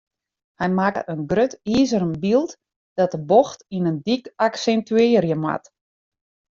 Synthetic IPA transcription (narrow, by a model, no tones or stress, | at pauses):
hɛjmakə̰ʔənɡrøtiːzəɾəmbilˠt | d̥ɔt̚əboxtinəndikaksɛntyɪːɾjəmwa̰t